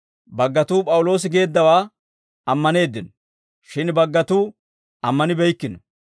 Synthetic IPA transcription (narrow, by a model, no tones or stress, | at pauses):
bɐɡːɐt̪uːpʼɐwʊlo̞ːs̬ɪɡe̞ːd̪ːɐwaː | ɐmːɐne̞ːd̪ːɪn | ʃɪnbɐɡːɐt̪uː | ɐmːɐnɪbɛjkːɪnɔ